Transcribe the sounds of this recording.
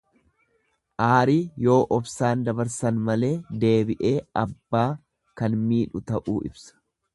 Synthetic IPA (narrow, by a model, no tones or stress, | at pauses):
ʔaːɾiːjo̞ːʔɔfsaːnd̪ɐbɐɾsɐnmɐle̞ːd̪e̞ːbɪʔe̞ːɐbːaː | kɐnmiːᶑʊt̪ɐʔuːɪ̰bsɐ̥